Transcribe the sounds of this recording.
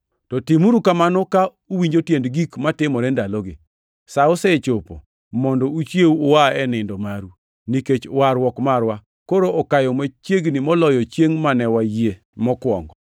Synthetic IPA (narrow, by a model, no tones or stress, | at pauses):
tɔtimuɾukamanɔka | uwiɲd͡ʒotjendɡikmatɪmɔɾɛndalɔɡɪ̰ | saʊsɛt͡ʃopo̰ | mɔndɔut͡ʃjeuʊwaɛnɪndɔmaɾu | niket͡ʃwaɾwɔkmaɾwa | koɾoʔɔkajɔmat͡ʃjeɡnimɔlɔjɔt͡ʃjeŋmanɛwaje | mɔkwɔ̰ŋɡɔ